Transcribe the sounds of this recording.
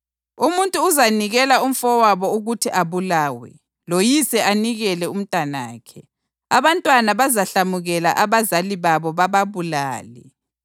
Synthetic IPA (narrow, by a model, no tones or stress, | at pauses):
umuntʼuːzaniɣɛlaum̩fɔwaβɔuɣutʰiʔaβulaːwɛ̰ | lojisɛʔaniɣɛlɛum̩tʼana̰ːkʰɛ | aβantʼwanaβazaɬamuɣɛla̰ʔaβazaliβaβɔβaβaβula̰ːlɛ̰